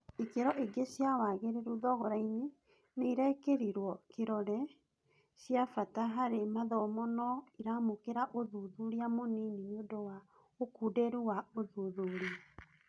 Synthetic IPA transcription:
ikeɾɔʔeɡesjawaɣeɾeɾuðɔɣɔɾaiɲe | neiɾɛkeɾiɾwɔkeɾɔɾɛ | ɕjafataɦaɾemaðɔmɔnɔiɾamokeɾaʔoðuðuɾiamoneniɲondowa | okudeɾuwaoðuðuɾia

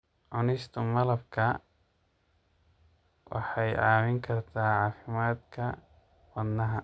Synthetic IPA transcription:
ʕʊnɪst̪ʰʊmɐlɐbkʰɐ | wʔɑ̰ħɑjʔaːmɪŋkʰɐrt̪ʰaːʕɑːfɪmaːd̪kʰɐ | wɐd̪nɐɦɐ

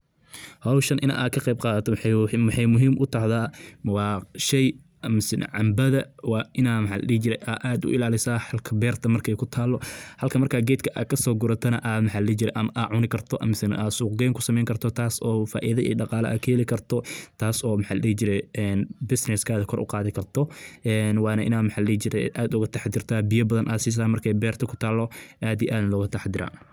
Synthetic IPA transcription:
hɐwʃɐnʔɪ̰na̰ːʔaːd̪̚kʰɐqɛjb̚qɑːðɐt̪ʰɔmħɑjmʊɦiːmʔʊt̪ʰɐhðaːwɑːʃɛj | mɪsɪn̰ʕɑmbɐðɐwɑːʔɪnaːmɐħalɐ̰diht͡ʃɪɾɛjʔaːʔaːd̪ʊ̰ʔɪlaːlɪsaːħɐlkʰɐbɛːrt̪ʰɐmɐrkʰɛjkʰʊt̪ʰaːlːɔhɐlkʰɐmɐrkʰaːɡɛːd̪kʰɐʔa̰ːkʰɐsɔːɡʊɾɐt̪ʰɐnɐʔaːmɐħɑːlɐlid͡ʒɪɾɛjʔɐmɐʔaːʕʊnɪkʰɐrt̪ʰɔʔɐ̰mɪsɪn̰ʔaːsuːq̚ɡɛːŋkʰʊsɐmɛjŋkʰɐrt̪ʰɔt̪ʰaːsɔːfa̰ːʔɪðɐʔḭːɖɑqɑːlɐ̰ʔɐ̰kʰɐhɛlɪkʰɐrt̪ʰɔt̪ʰaːsɔːmħaːlɐɽiːt͡ʃɪɾɛjɛːnbɪsnɛskʰaːðɐkʰɔɾʔʊ̰qɑːðɪkʰɐrt̪ʰɔʔɛːnwɑːnɐʔɪ̰naːd̪mɐħaːlliːt͡ʃɪɾɛʔaːd̪ʊɣɐt̪ʰɐħd̪ɪrt̪ʰaːbijɐbɐðɐnʔaːsɪs̬aːmɐrkʰɛjbɛːrt̪ʰɐkʰʊ̥t̪ʰaːlːɔʔaːd̪ijʔaːd̪lɔːɣɐt̪ʰɐħd̪ɪɾa̰ːn

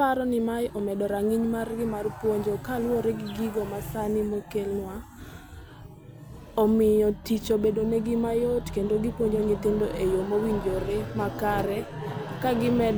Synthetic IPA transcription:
aɾɔnɪmajʔɔmɛdɔɾaŋiɲmarɡɪmarpwoɲd͡ʒokalwoɾeɡɪɡiɡɔmasanɪmokelnwa | ɔmɪjɔtit͡ʃobedoneɡɪmajɔtkendoɡɪpwoɲd͡ʒoɲetɪndoʔejomowiɲd͡ʒoɾemakaɾɛ | kaɡɪmɛd

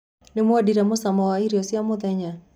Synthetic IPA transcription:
nɪmoadiɾamʊsamɔwaiɾiɔsiamɔðɛɲa

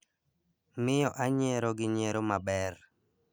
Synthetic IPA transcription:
mɪjɔʔaɲeɾoɡɪɲeɾomabɛr

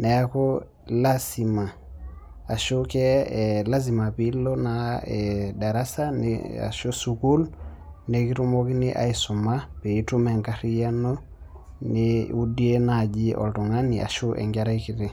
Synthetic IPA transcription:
nɛako | lasima | aʃukɛlas̬imapilonaɛdaɾasanḛa̰ʃusukul | nekitumokiniʔa̰isumapeitumɛŋkaɾijano | neudienad͡ʒiʔɔ̰ltuŋaniʔa̰ʃuʔɛ̰ŋɡaɾaikiɾe

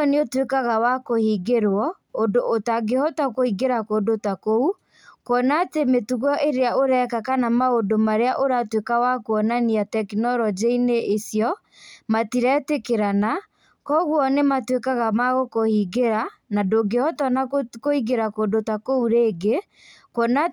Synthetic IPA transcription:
neotwekaɣawakohiɡeɾwɔ | ondoʔotaɡehɔtakoiɡeɾakoːndotakou | koɔnaːtemetuɣɔʔeɾeaoɾɛkakanamaodomaɾeaʔoɾatwekawakoɔnaniatɛknɔɾɔd͡ʑeineʔesjɔ | matiɾɛtekeɾana | kɔɣwɔnematwekaɣamaɣokohiɡeɾanadoɡehɔtɔnakoiɡeɾakoːndotakouɾeːɡe | kɔna

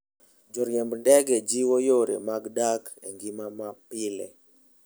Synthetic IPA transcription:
d͡ʒɔɾjɛmbndɛɡɛd͡ʒiwojoɾḛmaɡdakɛ̰ŋɡimamapɪlɛ̰

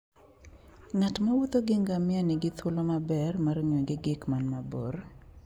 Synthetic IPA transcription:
ŋatmawut̪oɡɪŋɡamɪanɪɡɪt̪wolomabɛrmaɾɲoɡɪɡɪkmanmabor

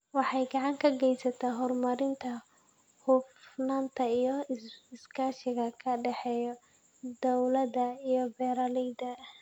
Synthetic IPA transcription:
wɑħɑjɡɑʕɑŋkʰɐɡɛjsɐt̪ʰɐɦɔrmɐɾɪnt̪ʰɐ | hʊfnaːnt̪ʰɐijɔɪskʰaːʃɪɣɐkʰɐɖɛħɛːjɔ | d̪ɔwlɐd̪ɐijɔbɛːɾalɛjd̪ɐ

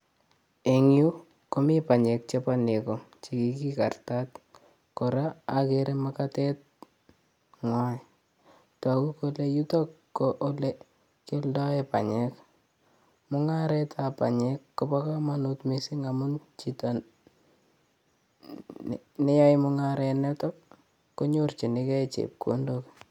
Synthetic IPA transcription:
eŋju | komipaɲɛk̚t͡ʃepanekom | t͡ʃikikika̰rtat̚ | kɔɾaːkeɾemakatɛt̚ | ŋwaj | twakukolejutɔkː | oʔole | keldɔɛpa̰ɲɛk | mʊŋaɾɛtʰapa̰ɲɛkːobɔkamanutmisiŋamunt͡ʃita | nejajmʊŋaɾenɛtɔk̚ | kːoɲort͡ʃinikɛt͡ʃḛp̚ko̰ndok

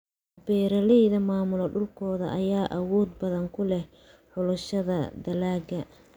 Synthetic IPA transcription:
bɛːɾɐlɛjðɐmaːmʊlɐɖʊlkʰɔːðɐ̰ʔɐjaːʔɐwɔːd̪̚bɐðɐŋkʰʊlɛh | ħʊlʊʃɐðɐd̪ɐlaːɡɐ

